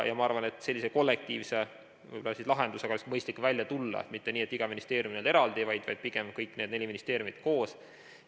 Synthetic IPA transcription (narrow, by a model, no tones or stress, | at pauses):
jɑmɑɑrvɑne̞t̪ːˑse̞lʲːiseko̞lːek̚t̪iːvse | vɤ̰jbo̞lɑsislɑɦe̞nd̪useɡ̥ɑolskmɤjst̪likːˑvælʲjɑt̪ulːɑ̰ḛt̪mit̪ːe̞niːe̞t̪ːiɡ̥ɑminist̪e̞ːɾjuminele̞ɾɑld̪ivɑjd̪̥vɑ̰jd̪̥̚piɡ̥emkɤjkːˑne̞ːd̪ne̞lʲiminist̪e̞ːɾʲjumid̪̥ko̞ːs